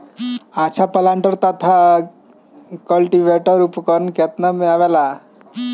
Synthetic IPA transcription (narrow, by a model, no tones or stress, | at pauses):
at͡ʃʰapəlãːɳʈəɾt̪at̪ʰa | kəlʈiʋeʈəɾupkɔɾənket̪namẽaːʋela